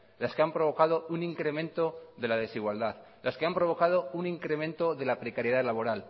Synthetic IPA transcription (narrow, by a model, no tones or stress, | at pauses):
laskeampɾo̞βo̞kað̞o̞uniŋkɾe̞mẽ̞nt̪o̞ðe̞lað̞e̞siɣwald̪að | lʔaske̞ampɾo̞β̞o̞kað̞o̞uniŋkɾe̞mẽ̞nt̪o̞ðe̞lapɾekaɾje̞ðalaβo̞ɾal